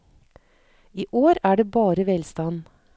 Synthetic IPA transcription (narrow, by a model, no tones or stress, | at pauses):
iːʔoːɾæːɖeːbɑːɾəʋɛlst̪ɑn